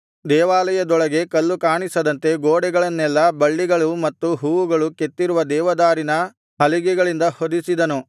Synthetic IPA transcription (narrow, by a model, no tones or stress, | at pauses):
d̪ɛːʋaːlɐjɐd̪ɔɭɐɡe̞kɐlːukaːɳisɐd̪ɐnt̪e̞ɡoːɽɛɡɐɭɐnːɛlːɐbɐɭːiɡɐɭumɐt̪ːuɦuːʋuɡɐɭuket̪ːiɾuʋɐd̪ɛːʋɐd̪aːɾinɐ | ɦɐliɡɛɡɐɭind̪ɐhod̪isid̪ɐnu